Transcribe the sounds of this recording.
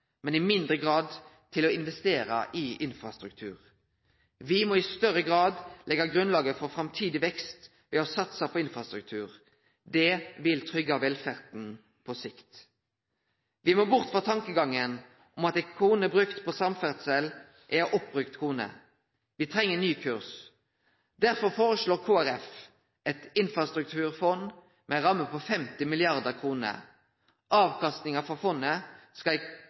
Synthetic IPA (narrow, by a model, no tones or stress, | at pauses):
mɛnɪmɪnd̪ʁəɡʁɑːd̪ | t̪ʰɪlɔɪnʋɛst̪eːʁə̰ʔɪʔɪnfʁɑst̪ʁʉk̚t̪ʰʉ̰ːʁ | ʋɪmɔːɪst̪œʁəɡʁɑːd̪lʔɛɡɑɡʁʉnlɑːɡəfɔʁfʁɑmt̪ʰiːd̪ɪʋɛkst̪ | ʋɛɔsɑt̪sɑpʰɔɪnfʁɑst̪ʁʉk̚t̪ʰʉːʁ | d̪ɛʋɪlt̪ʰʁʏɡɑʋɛlfæʁd̪n̩ | pʰɔsɪkt̪ | ʋɪmoːbʊʁt̪fɔt̪ʰɑŋkəɡɑŋːən | ʔɔmɑt̪ɛkʰuːnəbɾʉkt̪pʰɔsɑmfæʁt̪səl | ʔɛɾɔp̚ːbʁʉkt̪kʰuːnə̰ | ʋɪt̪ʰʁɛŋːənyːkʰʉʁs | d̪æʁfɔʁfoːɾəsɭoːʁkʰuːæɾɛf | ɛt̪ɪnfɾɑst̪ʁʉk̚t̪ʰʉːʁfɔn | mɛʁɑmːəpɔfɛmt̪ɪmɪlɪɑʁd̪əʁkʰʁuːnə̰ | ʔɑːʋkʰɑst̪nɪŋɑfɔfɔnːəskɑ